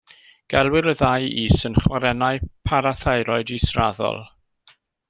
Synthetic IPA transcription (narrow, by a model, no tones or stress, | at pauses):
ɡ̥ɛlˠwɪɾəðajiːsənχwaɾɛnaɨpʰaɾaθajɾɔɨdisraðɔ̰lˠ